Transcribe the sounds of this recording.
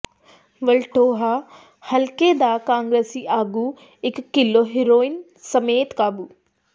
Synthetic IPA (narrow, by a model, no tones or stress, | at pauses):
ʋɐlʈoːɦa | hɐlked̪aːkãːŋɡɾesiʔaːɡu | ɪkːɪloɦɪɾoːɪn | sɐmeːt̪kaːbuː